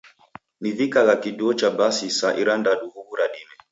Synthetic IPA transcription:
mivikaɣakiɗuɔt͡ʃabasisaʔiɾandaɗuhuβuɾaɗimɛ

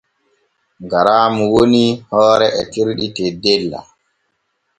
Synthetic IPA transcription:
ɡaɾaːmuwonihɔːɾɛʔɛtiɾɗitɛdɛlːa̰

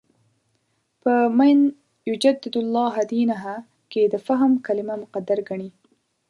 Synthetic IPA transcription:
pəmajn | jʊd͡ʒad̪ːɪd̪ʊlːɑːɦad̪inaɦa | ked̪əfaɦmkalɪmamʊqad̪aɾɡaɳi

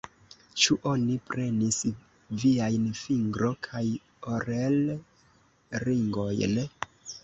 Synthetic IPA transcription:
t͡ʃuʔo̞nipɾe̞nis | viajnfiŋɡɾo̞kʰaj | oɾel | ɾiŋɡo̞jn

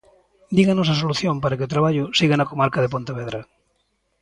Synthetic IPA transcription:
d̪iɣanos̬as̬oluθjõmpaɾakeot̪ɾaβaʎʊsiɣanakomaɾkaðepont̪aβ̞eðɾa

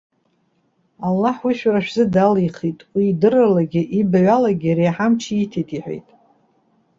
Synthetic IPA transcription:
alːaħwiʃᶣraʃᶣzɨdaliχitʼwiːdɨralaɡʲɪʔibaɥalaɡʲiaɾijħamt͡ʃʰiitʰetʼiħʷᶣḛjtʼ

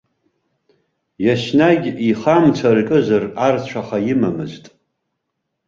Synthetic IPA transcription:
jaʃnaɡʲiχamt͡ʃʷʰarkʼɨzarart͡ɕʷʰaχajɪmamɨztʼ

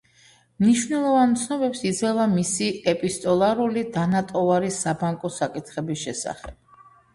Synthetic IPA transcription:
mniʃvnɛlˠɔvant̪sʰnɔbɛpsid̪zɛlˠamisiɛpʼist̪ʼɔlˠaɾulid̪anat̪ʼɔvaɾisabaŋkʼɔsakʼit̪ʰχɛbisʃɛ̰sa̰χɛb̥

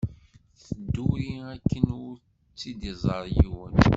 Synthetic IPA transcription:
θəd̪ːuɾiækːənʊɾ | t͡sːid̪izˤəɾˤjiwən

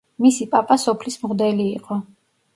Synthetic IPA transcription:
misipʼapʼasɔpʰlismʁd̪ɛliːqʼɔ

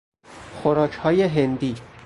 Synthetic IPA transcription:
xoɾɒːcʰhɒːjeɦend̪iː

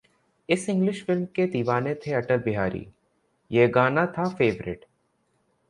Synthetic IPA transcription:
ɪsɪ̃ŋɡlɪʃfɪlmked̪iːʋaːnet̪ʰeɐʈəlbɪɦaːɾʔḭː | jeːɡaːnat̪ʰafeːʋɾɪ̰ʈ

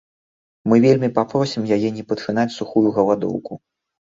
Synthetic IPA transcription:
mɨvʲelʲmʲipapɾɔsʲimjajɛnʲɛpɐt̪ʂɨnat͡sʲsuxujuɣɐlˠad̪ɔ̰wku

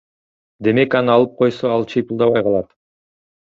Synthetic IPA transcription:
d̪e̞me̞kɑnɨɑlˠɯp̚qʰo̞jsoɑlˠt͡ʃʰijpulˠd̪ɑβɑjqʰɑlˠɑt̪

